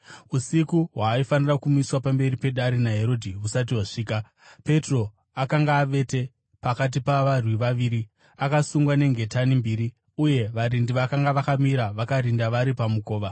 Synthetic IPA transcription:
usikuɦwaːifanirakumiswapambe̞ɾipe̞ɗaɾinaɦe̞ɾo̞dʱiusat̬iɦwaʂiːka | pe̞tro̞ | akaŋɡaːʋe̞te̞ | pakat̬ipaʋarwiʋaʋiːɾi | akasuŋɡwane̞ŋɡe̞tanimbiɾi | uje̞ʋaɾindiʋakaŋɡaʋakamiɾaʋakaɾindaʋaɾipamuko̞ːʋa

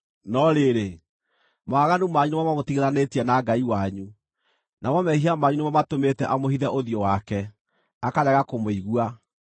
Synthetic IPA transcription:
nɔɾeɾe | moaɣanumaɲunemamamotiɣeɾanetiɛnaɡaiwaɲu | namɔmɛhiamaɲunemamatometɛʔamohiðɛʔoðijɔwakɛ | akaɾɛɣakomoiɣua

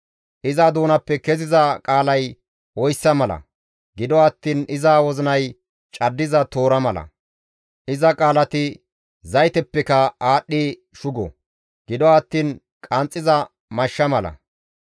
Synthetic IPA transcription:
ʔɪzad̪oːnɐpːɛkɛzɪzɐkʼaːlɐj | ɔjsːɐmɐlɐ̰ | ɡɪd̪ɔɐt̪ːiːnɪzaːwɔzɪnɐj | t͡ʃʼɐd̪ːɪzɐt̪o̞ːɾɐmɐlɐ̰ | ʔɪzɐkʼaːlɐt̪ɪ | zɐjt̪ɛpːɛkɐaːɗːi | ʃʊɡɔ̰ | ɡ̥ɪd̪ɔɐt̪ːiːn | kʼɐnt͡sʼːɪzɐ | mɐʃːɐmɐlɐ̰

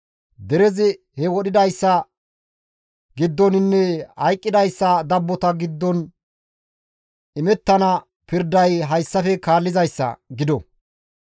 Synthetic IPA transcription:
d̪ɛɾɛzɪ | hɛwɔɗɪd̪ɐjsːɐ | ɡɪd̪ːɔnɪnːɛhɐjkʼːɪd̪ɐjsːɐd̪ɐbːɔt̪ɐɡɪd̪ːɔn | ɪmɛt̪ːɐnɐ | pɪɾd̪ɐjɦɐjsːɐfɛkaːlːɪzɐjsːɐ̰ɡɪd̪ɔ

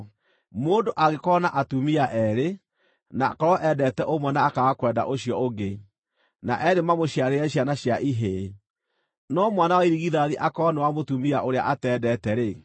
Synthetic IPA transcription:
moːdoʔaɣekɔnaʔatumiaʔɛɾe | nakɔɾɔʔɛdɛtɛʔomwɛnaːkaɣakwɛda̰ʔoɕjɔoɡe | na̰ʔɛɾemamoɕiaɾeɛɕjanaɕjaʔiɦe | nɔmwanawaiɾiɣiðaðiʔakɔnɛwamotumiaʔoɾea̰ʔatɛːdɛtɛɾe

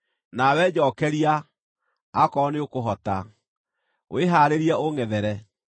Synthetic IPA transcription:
nawɛd͡ʑɔːkɛɾiaː | kɔneokoɦɔta | w̰eɦaːɾeɾiɛoŋɛðɛɾɛ

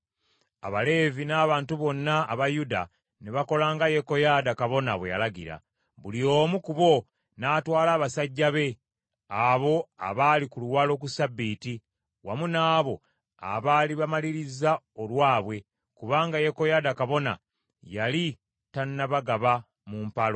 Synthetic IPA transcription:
a̰βale̞ːvinaːβaːntuβo̞nːaːβajuda̰ | neβako̞laːŋɡaje̞ko̞jadakaβo̞naβweja̰laɡḭɾa̰ | βulio̞ːmukuβo̞ | naːtwaːlaːβasaɟːaβe̞ | aβo̞a̰βalikuluwaːlo̞kusabːiːti | wamunaːβo̞ | a̰βaliβamaliɾiza | o̞lwaːβwe̞ | kuβaːŋɡaje̞ko̞jaːdakaβo̞na̰ | jali | tanːaβaɡaβa | mumpalo̞

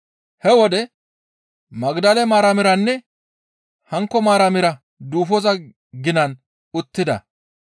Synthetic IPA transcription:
hɛwɔd̪ɛ | mɐɡd̪ɐlɛmaːɾɐmɪɾɐnːɛ | hɐŋkːɔmaːɾɐmɪɾɐ | d̪uːfɔzɐ | ɡɪnɐn | ʊt̪ːɪd̪ɐ̰

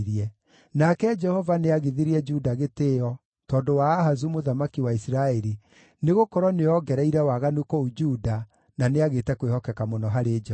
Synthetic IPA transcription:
ɾiɛ | nakɛd͡ʒɛhɔvaneaɣiðiɾiɛd͡ʒudaɣeteɔ | tɔːndowaːɦazumoðamakiwaisiɾaɛɾi | neɣokɔɾɔneɔɡɛɾɛiɾɛwaɣanukɔud͡ʒuda | naneaɣeːtɛkwehɔkɛkamɔnɔɦaɾed͡ʒɛ

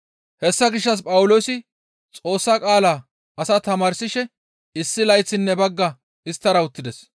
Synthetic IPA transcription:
hɛsːɐɡɪʃːɐs̬pʼɐwʊlo̞ːsɪ | t͡sʼo̞ːsːakʼaːlaː | ɐsɐt̪ɐmaːɾsɪʃɛ | ɪsːɪlɐjt͡sːɪnːɛbɐɡːɐ | ɪst̪ːɐɾɐʊt̪ːɪd̪ɛs

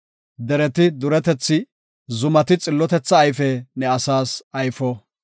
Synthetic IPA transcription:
d̪ɛɾɛt̪ɪd̪ʊɾɛt̪ɛt͡sːɪ | zʊmɐt̪ɪt͡sʼɪlːɔt̪ɛt͡sːɐːjfɛnɛɐsaːsɐjfɔ

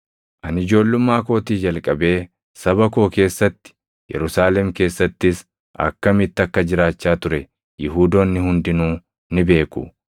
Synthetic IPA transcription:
ʔɐnɪd͡ʒo̞ːlːʊmːaːko̞ːt̪iːd͡ʒɐlkʼɐbe̞ː | sɐbɐko̞ːke̞ːsːɐt̪ːɪ̥ | jɛ̰ɾʊsaːlɛmke̞ːsːɐt̪ːɪs | ʔɐ̰kːɐmɪt̪ːɪɐkːɐd͡ʒɪɾaːt͡ʃːaːt̪ʊɾɛ | jɪɦuːd̪o̞ːnːɪhʊnd̪ɪnuː | nɪbe̞ːkʊ̰

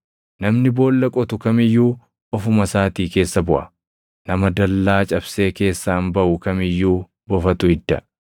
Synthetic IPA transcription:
nɐmnɪbo̞ːlːɐkʼɔt̪ʊkɐmɪjːuː | ʔɔfʊmɐsaːt̪iːke̞ːsːɐbʊʔɐ | nɐmɐd̪ɐlːaːt͡ʃʼɐbse̞ːke̞ːsːaːnbɐʔʊkɐmɪjːuː | bɔfɐt̪ʊhɪd̪ːɐ

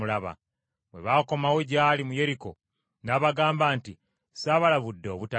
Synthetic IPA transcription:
ulaβa̰ | βwe̞̰βako̞mawo̞ɟaːlimuje̞ɾiko | naβaɡaːmbaːnti | saːβalaβudːeoβuta

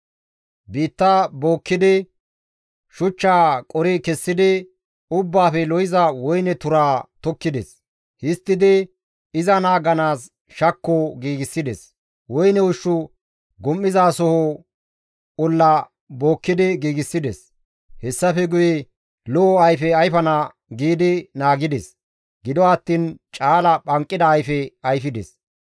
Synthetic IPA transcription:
biːt̪ːaboːkːɪd̪ɪ | ʃʊt͡ʃːaːkʼɔɾɪkɛsːɪd̪ɪ | ʊbːaːfɛlɔjɪzɐwɔjnɛt̪ʊɾaːt̪ɔkːɪd̪ɛs | hɪst̪ːɪd̪ɪ | ɪzɐnaːɡɐnaːs | ʃɐkːɔɡiːɡɪsːɪd̪ɛs | wɔjnɛwʊʃːʊ | ɡɔmːɪzaːsɔhɔ | ɔlːɐ | bo̞ːkːɪd̪ɪɡiːɡɪsːɪd̪ɛs | hɛsːɐfɛɡʊjɛ | lɔɐjfɛɐjfɐna | ɡiːd̪ɪnaːɡɪd̪ɛs | ɡɪd̪ɔɐt̪ːiːnt͡ʃʼaːlɐɓɐŋkʼːɪd̪ɐːjfɛɐjfɪd̪ɛ̰s

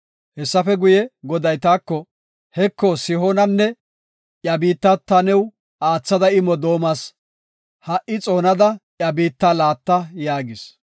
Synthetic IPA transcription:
hɛsːɐfɛɡʊjɛɡɔd̪ɐjt̪aːkːɔ | hɛkːɔsɪɦonɐnːɛ | ʔjɐbiːt̪ːɐt̪ːɐnɛw | aːt͡sːɐd̪ɐɪmɔd̪o̞ːmas | hɐʔɪt͡sʼo̞ːnɐd̪ɐʔjɐbiːt̪ːalaːt̪ːɐjaːɡɪs

